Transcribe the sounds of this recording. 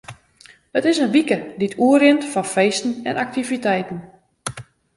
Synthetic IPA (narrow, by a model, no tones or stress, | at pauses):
ətɪsənʋikəditʰuərɪntfɔnfeːstn̩ɛnʔak̚tivitɛjtn̩